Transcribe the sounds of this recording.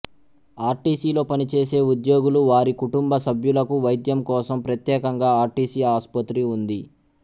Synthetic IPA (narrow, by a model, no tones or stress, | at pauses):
aːɾʈiːsiːlo̞ːpɐnit͡ʃe̞ːse̞ːud̪jo̞ːɡuluʋaːɾikuʈumbɐsɐbʱjulɐkuʋɐjd̪jɐmkɔːsɐmpɾɐt̪jɛːkɐŋɡaːaːɾʈiːsiːaːspɐt̪ɾiund̪i